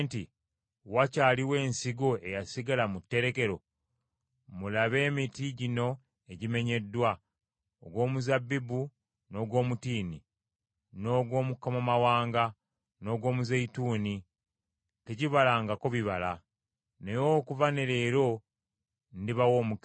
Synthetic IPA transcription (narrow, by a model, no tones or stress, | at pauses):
nti | wacaːliwe̞ːnsiɡo̞e̞jasiɡalamutːe̞ɾe̞ke̞ɾo̞ | mulaβe̞ːmitiɟino̞ | e̞ɟime̞ɲe̞dːwa | oɡwo̞ːmuzabːibu | no̞ːɡwo̞ːmutiːni | no̞ːɡwo̞ːmukːamomawaːŋɡa | no̞ːɡwo̞ːmuzeituːni | teɟiβalaŋɡakoβiβala | nejokuvane̞ɾeːɾo̞ | ndiβawoːmuk